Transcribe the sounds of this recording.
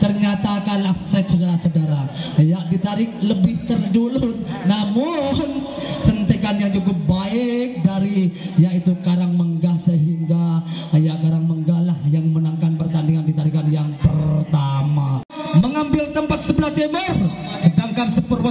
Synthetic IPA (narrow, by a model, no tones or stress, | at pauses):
t̪ərɲat̪akanlahsɛsudaɾasədaɾajaʔdit̪aɾɪk̚ləbɪht̪ərdulunamʊn | sənt̪ekanjaŋd͡ʒukʊp̚baɪk̚daɾijait̪ukaɾaŋməŋɡahsəɦiŋɡajakaɾaŋməŋɡahlahjaŋmənaŋkanpərt̪andiŋandit̪aɾikanjaŋpərrt̪ama | məŋambɪlt̪əmpat̪̚səbəlaht̪emər | sədaŋkansəpərwa